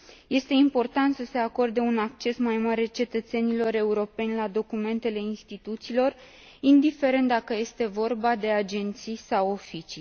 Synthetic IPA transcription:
je̞st̪e̞impo̞rt̪ant̪səse̞ako̞rd̪eunak̚t͡ʃe̞smajmaɾet͡ʃe̞t̪ət̪se̞nilo̞ɾe̞uɾo̞pe̞nʲlad̪o̞kume̞nt̪e̞le̞inst̪it̪ut̪siːlo̞r | ind̪ife̞ɾe̞nt̪̚d̪akəje̞st̪e̞vo̞rbad̪e̞ad͡ʒe̞nt̪sijsawofit͡ʃij

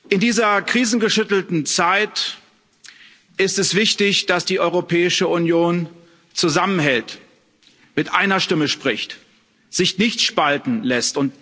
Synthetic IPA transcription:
ʔɪndiːzɐkʁ̥iːzn̩ɡəʃʏtl̩tn̩t͡saɪt | ʔɪstɛsv̥ɪçtɪçd̥asd̥iːʔɔʏʁopʰɛːɪʃəunjoːn | t͡suzamənɦɛlt | mɪtʔaɪnɐʃtɪməʃpʁ̥ɪçt | z̥ɪçnɪçtʃpaltn̩lɛstʊnt̚

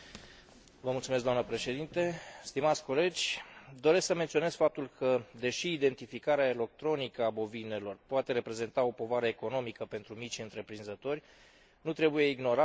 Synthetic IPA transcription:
vəmult̪sumesɡd̪oamnəpɾe̞ʃe̞d̪int̪e̞st̪imat̪sʲko̞le̞d͡ʒʲd̪o̞ɾe̞sksəment̪sione̞z̥fap̚t̪ulkʰəd̪e̞ʃiːd̪e̞nt̪ifikaɾeaele̞k̚t̪ɾo̞nikəabo̞vine̞lo̞rpoat̪e̞ɾe̞pɾe̞ze̞nt̪ao̞po̞vaɾəeko̞no̞mikəpe̞nt̪ɾumit͡ʃɨnt̪ɾe̞pɾinzət̪o̞rʲ | nut̪ɾe̞buje̞iɡno̞ɾa

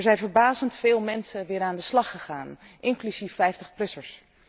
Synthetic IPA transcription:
ɛɹzɛjnvəɹbaːzəntfɪːlˠmɛnsəʋɪːɾaːndəslɑχəχaːn | ʔɪŋklyzifːɛjftəχplɵsəɹs

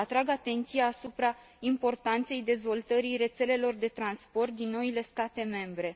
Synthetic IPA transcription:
at̪ɾaɡat̪e̞nt̪sijaːsupɾa | impo̞rt̪ant̪se̞jd̪e̞zvo̞lt̪əɾire̞t̪se̞le̞lo̞rd̪e̞t̪ɾanspo̞rt̪̚d̪inːo̞ile̞st̪at̪e̞me̞mbɾe̞

